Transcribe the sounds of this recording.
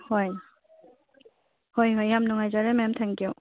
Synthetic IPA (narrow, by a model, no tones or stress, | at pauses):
hoj | hojɦojːamnuŋajzaɾemajamtʰaŋkju